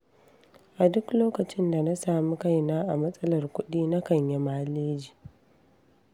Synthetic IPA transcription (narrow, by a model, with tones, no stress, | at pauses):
ʔa˨dʊ˦kloː˦kɐ˨t͡ʃɪ˦nda˨na˦saː˨mi˦ka˦˨jnaː˦ʔa˨mɐ˦sʼɐ˦lɐ˨rkʷʊ˦ɗiː˦na˦kɐ˨ɲje˨maː˦leː˦d͡ʒiː˨